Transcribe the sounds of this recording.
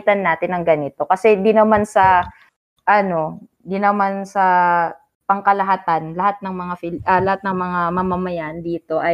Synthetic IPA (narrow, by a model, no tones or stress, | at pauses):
t̪ɐnːaːt̪ɪnɐŋɡɐnɪt̪o̞kɐsɛd̪inɐmansɐ | ʔɐno̞ | d̪inɐmansɐ | pɐŋkɐlɐɦat̪anlɐhat̪̚nɐŋmɐŋafɪlʔɐlɐhat̪̚nɐŋmɐŋamɐmɐmɐjaʔɐnd̪iːt̪o̞ʔɐ